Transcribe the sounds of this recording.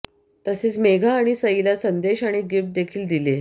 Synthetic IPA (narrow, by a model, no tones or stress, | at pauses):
t̪əset͡smeɡʱaːɽ̃isəilasənd̪eɕaɽ̃iɡifʈ̚d̪ekʰiːld̪ile